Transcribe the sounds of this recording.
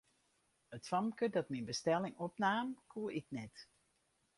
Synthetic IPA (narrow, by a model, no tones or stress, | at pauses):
ətfɑmkədɔtminbəstɛlɪŋɔpnaːmkʰuəɪknɛt